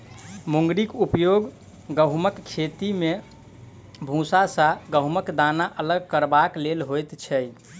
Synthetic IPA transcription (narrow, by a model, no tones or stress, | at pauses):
muŋɡɾikupjoɡ | ɡəɦməkːʰet̪ime | bʱũsasaɡəɦməkd̪anaʔələɡ̚kəɾbaklelɦojt̪t͡ʃʰɛj